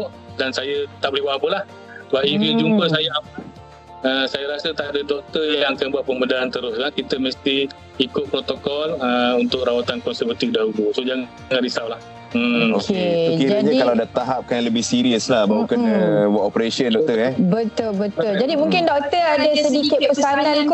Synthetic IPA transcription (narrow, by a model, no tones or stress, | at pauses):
ʔ | dansajat̪aʔbəliwaapəlah | baʔivid͡ʒumpəs̬ajaapə | əsajaɾasət̪aʔadədɔk̚t̪ərjaãŋakanbuat̪̚pəmədaant̪əɾʊslakit̪əməst̪i | ikʊt̪̚pɾot̪okɔləunt̪ʊk̚ɾawat̪ankɔnsərvat̪ifdaɦulusod͡ʒaŋ | ŋanɾisawlah | okekiɾaɲãkalawadat̪aɦap̚kanləbɪhsiɾiəslahbaukanəwaʔopəɾesəndɔk̚t̪ərɛbət̪ʊlbət̪ʊld͡ʒadimũŋkɪndɔk̚t̪əadasədikɪt̪̚pəsanãnk